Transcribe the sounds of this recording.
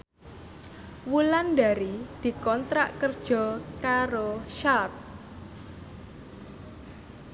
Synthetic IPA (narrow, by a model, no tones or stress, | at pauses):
wulanɖaɾid̪̥i̤kɔnt̪ɾa̰ʔkərd̥ʒ̥ɔ̤kaɾoʃart̪̚